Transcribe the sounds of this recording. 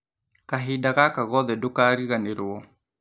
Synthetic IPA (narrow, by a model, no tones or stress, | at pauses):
kaɦidaɣakaɣɔðɛdokaɾiɣaneɾʊɔ